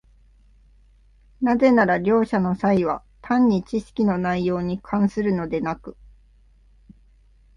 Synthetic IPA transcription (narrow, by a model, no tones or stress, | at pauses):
naze̞naɾaɾʲo̞ːɕano̞saiβa | t̪ʰãɲ̟ːit͡ɕiɕi̥kʲino̞naijo̞ːɲ̟ikʰãɰ̃sɨɾɯ̟no̞d̪e̞nakɯ̟̥